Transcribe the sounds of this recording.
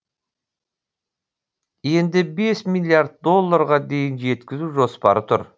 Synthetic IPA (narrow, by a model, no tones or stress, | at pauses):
je̞nd̪ɪbe̞smilʲˠiaɾd̪̚d̪o̞lˠːaɾʁɑd̪e̞jɪnʒe̞t̪kʲɪzuʒo̞spɑ̰ɾət̪ʰʊɾ